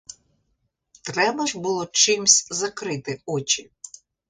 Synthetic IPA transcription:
t̪ɾɛbɐʒbʊlˠɔt͡ʃɪmsʲzɐkɾɪt̪ɪɔt͡ʃʲi

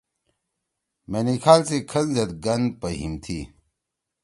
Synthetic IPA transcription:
meːnikʰaːlsekʰɐlzɐt̪̚ɡɐnd̪̚pɐɦḭmt̪ʰiː

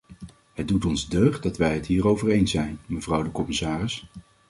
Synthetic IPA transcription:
ɦəd̚dutɔnzdøɥχdɑtʋɛjɦətɦiːrowvərejnsɛjnməvrɑwdəkɔmɪsaːrɪs

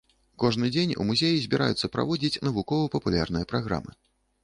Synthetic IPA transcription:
kɔʐnɨd͡zʲenʲṵmuzʲejizʲbʲiɾʔa̰jut̪sːɐpɾa̰vɔd͡zʲit͡sʲnɐvukɔvɐpɐpulʲarnɨjɐpɾaɣɾa̰mɨ̰

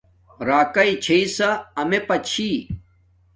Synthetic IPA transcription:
ɾaːkɐit͡ɕʰeisɐɐmepɐt͡ɕʰi

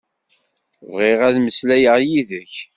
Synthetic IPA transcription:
vʁiʁæðməslæjəʁjiðəç

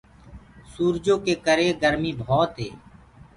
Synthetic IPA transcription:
suːɾd͡ʒõːkeːkəɾeːɡəɾmiːbʱɔːt̪ɦḛː

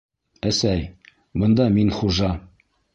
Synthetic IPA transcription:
æsæj | bɤ̆nd̪ɑminχuʒɑ

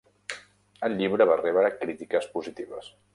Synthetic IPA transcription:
əlˠʎiβɾəβarɛβɾəkɾit̪ikəspuzit̪iβ̞əs

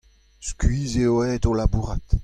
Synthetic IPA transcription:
skɥiːzeoɛːdolabuːʁat̪

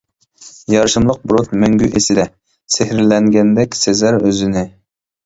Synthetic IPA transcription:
jɑɾʃɨmlˠəq̚bɾot̪mɛŋɡʲyʔesɪd̪ɛ | sehɾɪlɛŋɡʲɛnd̪ɛkʲsezæɾøzɪnɪ

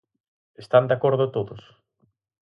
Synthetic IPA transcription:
est̪and̪akoɾðʊt̪oðʊs

